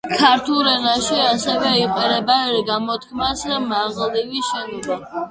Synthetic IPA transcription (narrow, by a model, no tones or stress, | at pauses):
kʰaɾt̪ʰulˠɾɛnaʃiasɛvɛiqʼɛɾɛbaɾɡamɔt̪ʰkʰmasmaʁliviʃɛnɔma